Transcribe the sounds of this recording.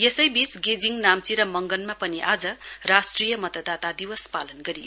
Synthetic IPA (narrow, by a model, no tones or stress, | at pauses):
esʌjbisɡed͡ziŋnamt͡siɾʌmʌŋɡʌnmapʌniʔad͡zʌrasʈrijʌmʌt̪ʌd̪at̪ad̪iwʌspalʌnɡʌɾio